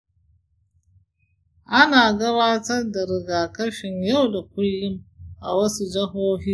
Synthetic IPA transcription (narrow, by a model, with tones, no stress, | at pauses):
ʔa˦naː˨ɡɐ˦βaː˦tɐ˦rda˨ɾɪ˨ɡaː˨kɐ˦ʃɪ˨ɲjɐ˦wda˨kʷʊ˦lːɪ˦mʔa̰˨wɐ˦su˦d͡ʒɐ˦ɦoː˦ɦiː˦